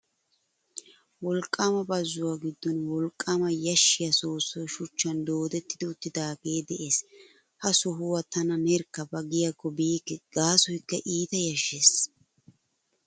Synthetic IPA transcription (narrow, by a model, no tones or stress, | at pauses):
wɔlkʼːaːmɐbɐzːʊwaːɡɪd̪ːɔnwɔlkʼːaːmɐjɐʃːɪjɐsoːsːɔjʃʊt͡ʃːɐnd̪oːd̪ɛt̪ːɪd̪ʊt̪ːɪd̪aːɡe̞ːd̪ɛʔe̞ːs | hɐsʊɦʊwɐt̪ɐnɐnɛɾkːɐbɐɡɪjɐkːɔbiːkːɛɡ̥aːsɔjkːɐʔiːt̪ɐjɐʃːeːs